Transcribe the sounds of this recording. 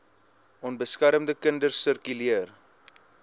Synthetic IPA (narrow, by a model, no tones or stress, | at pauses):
ɔnbəskæɾəmdəkəndərsərkyliər